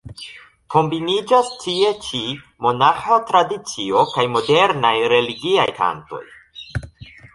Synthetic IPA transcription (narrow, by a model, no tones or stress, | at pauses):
ko̞mbinid͡ʒastʰie̞t͡ʃi | mo̞naxatɾadit͡sio̞kajmo̞de̞ɾnajɾe̞liɡiajkʰa̰nto̞̰j